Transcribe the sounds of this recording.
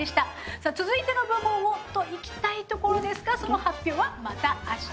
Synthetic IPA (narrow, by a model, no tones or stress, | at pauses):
eɕi̥t̪a | saːt͡sɨzɨit̪e̞mabɯ̟bõ̞ɰ̃ot̪o̞ikʲi̥t̪ait̪o̞ko̞ɾo̞d̪e̞sɨ̥ɡaso̞no̞hapʲːo̞ːβamat̪aːɕ